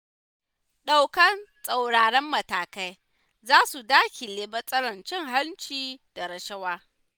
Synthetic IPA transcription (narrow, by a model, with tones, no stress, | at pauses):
ɗa˨wkɐ˦nsʼa˨wɽaː˨ɽɛ˦mːɐ˨taː˨ka˦j | zaː˦su˨daː˦kʲi˨leː˨bɐ˦sʼɐ˦ɽɐ˨nt͡ʃɪ˦ŋɦa˦nt͡ʃiː˦d̥a˨ɾɐ˨ʃɐ˦waː˦